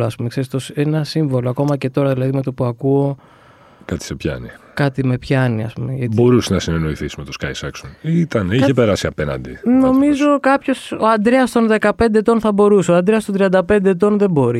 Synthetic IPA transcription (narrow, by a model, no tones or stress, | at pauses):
oɐspumekse̞ɾist̪o̞senɐsiɱvo̞loɐko̞mɐce̞t̪o̞ɾɐðilɐðime̞t̪o̞puɐkuo̞ | kɐt̪i̥sepçɐ̰nikɐt̪ime̞pçɐniɐspumeʝɐbo̞ɾusenɐsineno̞iθisimet̪oskɐjsɐksonit̪ɐniçepe̞ɾɐsiɐpe̞nɐ̰nd̪ino̞mizo̞kɐpço̞so̞ɐnd̪ɾe̞ɐst̪o̞nðe̞kɐpe̞nd̪eːt̪o̞nθɐbo̞ɾuseoɐnd̪ɾeɐst̪ont̪ɾiɐnd̪ɐpe̞nd̪eːt̪o̞nðe̞bo̞ɾi